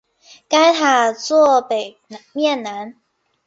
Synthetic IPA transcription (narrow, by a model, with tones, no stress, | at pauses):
ka˦ɪt̪ʰa˨˩t͡swɔ˥˨pe˨˩ɪ | mjɛ˥˨nːa˧˦n